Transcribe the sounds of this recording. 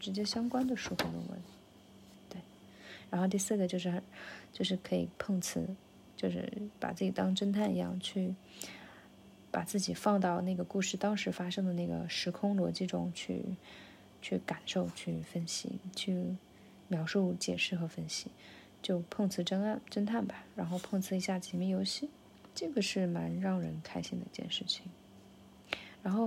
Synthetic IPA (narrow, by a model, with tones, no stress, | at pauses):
ʈ͡ʂɻ̩˧˥t͡ɕjɛ˥ɕjɑ˥ŋkwa˥nd̪ə˨ʂu˥˩kʰu˧˥˩d̪ə̰˧˩wə̰˧˥n | t̪we˥˩ɪ | ɻa˧˥nxo˥˧t̪i˥˧sɹ̩˥˩ɡə˩t͡ɕjo˥˧ʊʂ̬ɻ̩˥˩xt͡ɕjo˥˧ʊʂɻ̩˥˩kʰɤ˧˥i˨˩pʰɤ˥˧ŋt͡sʰɹ̩˧˥ | t͡ɕjo˥˧ʊʂɻ̩̰˥˧˩pa̰˨˩t͡sɹ̩˥˩t͡ɕi˨˩t̪ɑ˥ŋʈ͡ʂə˥nt̪ʰa˥˩nḭ˧˥jɑ̰˥˩ŋt͡ɕʰy˥˩ | pa̰˨˩t͡sɹ̩˥˩t͡ɕi˨˩fɑ˥˧ŋt̪ɑ˥˧ʊna˥˩ɡə˩ku˥˧ʂɻ̩˥˩t̪ɑ˥ŋʂɻ̩˧˥fa˥ʂɤ˥ŋd̪ə˨na˥˩ɡə̰˩ʂɻ̩˧˥kʰʊ˥ŋlwɔ̰˧˥t͡ɕi˥˩ʈ͡ʂʊ̰˥ŋt͡ɕʰy̰˥˧ | t͡ɕʰy˥˩ka˨˩nʂo˥˧ʊt͡ɕʰy˥˩fə˥nɕḭ˥t͡ɕʰy˥˩ | mjɑ˧˥ʊʂu˥˩t͡ɕjɛ˨˩ʂɻ̩˥˩xɤ˧˥fə˥nɕi˧˥ | t͡ɕjo˥˧ʊpʰɤ˥˧ŋt͡sʰɹ̩˥˩ʈ͡ʂə˥ŋa˥˩nʈ͡ʂə˥nt̪ʰa˥˩nba˨˩ɻa˧˥nxo˥˧ʊpʰɤ˥˧ŋt͡sʰɹ̩˥i˧˥ɕja˥˩t͡ɕʰɛ˧˥mi˥˩jo˧˥ʊɕi˥˩ | ʈ͡ʂɤ˥˩ɡə˩ʂɻ̩˥˩ma˧˥nɻɑ˥˩ŋɻə˧˥nkʰa˥ɪɕi˥˩ŋd̪ə̰˩i˧t͡ɕjɛ̰˥˧nʂɻ̩˥˩t͡ɕʰi˨˩ŋ | ɻa˧˥nxo˥˩ʊ